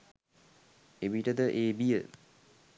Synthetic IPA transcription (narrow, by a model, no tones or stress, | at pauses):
ebiʈəd̪əʔeːbijə̰